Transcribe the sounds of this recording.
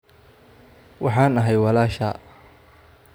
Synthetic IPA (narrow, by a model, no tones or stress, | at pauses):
wɑħɑːnɐɦɛjwɑlaːʃɐ̰ː